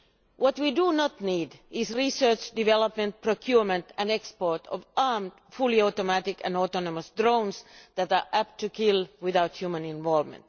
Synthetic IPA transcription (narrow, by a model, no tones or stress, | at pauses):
wʌt̪widunɔt̪niːdʔɪsɹisə˞t͡ʃdiʋɛləpmə̃nt̚pʰɹokʰjuɹmə̃nt̪æ̃nɛkspɔɹtʰɔ̰vɑɹmd | fuliɔtomætɪkæ̰̃nɔt̪ɔnɔməsdɹõʊ̃nsðæt̪ɑɹʔæp̚t̪ʰːukʰɪlwɪðaʊt̪hjuːmə̃nɪ̃nʋɔlvmə̰̃nt̪